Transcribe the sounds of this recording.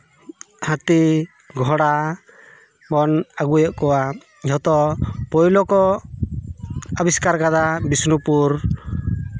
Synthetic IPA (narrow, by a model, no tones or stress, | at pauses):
hãt̪i | ɡʱɔɽa | bɔnaɡujɔʔkɔwa | d͡ʒɔt̪ɔpɔjlɔkɔ | əbiskaɾkad̪abisnupuɾ